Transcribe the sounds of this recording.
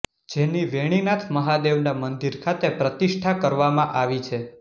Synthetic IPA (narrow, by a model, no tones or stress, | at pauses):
d͡ʒeniʋeɽ̃inat̪ʰməɦad̪eʋnamənd̪iɾkʰat̪epɾət̪iʃʈʰakəɾʋamãʔaʋit͡ʃʰe